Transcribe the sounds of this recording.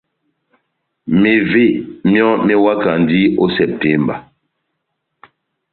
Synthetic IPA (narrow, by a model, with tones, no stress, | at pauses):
me˨ve˦˨mjɔ˦me˦wa˦ka˨n˨di˦o˦sɛ˨p̚tɛ˦mba̰˨